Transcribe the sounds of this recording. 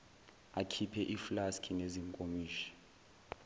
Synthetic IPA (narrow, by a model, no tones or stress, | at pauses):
akʰipʰɛʔiflaskʰineziŋkʼomiːʃi̥